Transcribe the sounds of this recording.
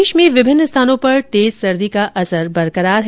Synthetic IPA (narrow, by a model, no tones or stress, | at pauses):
ʃmẽʋɪbʱɪnːəst̪ʰaːnõpɐɾt̪eːzsɐɾd̪ikaʔɐsəɾbɐɾkəɾaːɾɦ